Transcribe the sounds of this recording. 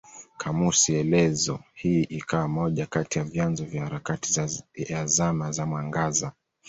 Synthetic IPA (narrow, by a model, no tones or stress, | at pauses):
kʰamusiɛlɛzɔ̰hiʔikawamɔʄakatijavjanzɔvjahaɾakati̥azamazamwaŋɡaza